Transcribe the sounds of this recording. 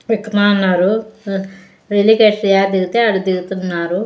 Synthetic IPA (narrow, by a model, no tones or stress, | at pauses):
ʋikːɐmaːnːaːɾu | ɾilikeʈɾijaːd̪iɡut̪eːɐɽud̪iɡut̪unːaːɾu